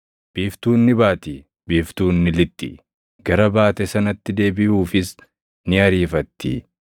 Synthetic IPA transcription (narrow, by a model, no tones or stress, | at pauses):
b̥iːft̪uːnːɪbaːt̪iː | biːft̪uːnːɪlɪt̪ːḭ | ɡɐɾɐbaːt̪ɛsɐnɐt̪ːɪd̪e̞ːbɪhuːfɪs | nɪɐɾiːfɐt̪ːḭ